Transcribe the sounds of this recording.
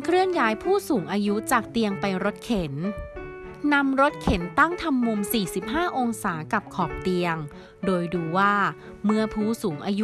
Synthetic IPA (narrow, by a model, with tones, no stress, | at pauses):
kʰɾɯ˥˩əŋjaː˦˥jpʰuː˥˩suː˩˦ŋʔaː˧ju˦˥t͡ɕaː˨˩k̚t̪i˧əŋpa˧jɾo˦˥t̪̚kʰe˩˦n | na˧mɾo˦˥t̪̚kʰe˩˦nt̪a˥˩ŋt̪ʰa˧mːu˧msiː˨˩si˨˩p̚ɦaː˥˩ʔo˧ŋsaː˩˦ka˨˩p̚kʰɔː˨˩p̚t̪i˧əŋ | doː˧jduː˧waː˥˩ | mɯ˥˩əpʰuː˥˩suː˩˦ŋʔaː˧ju˦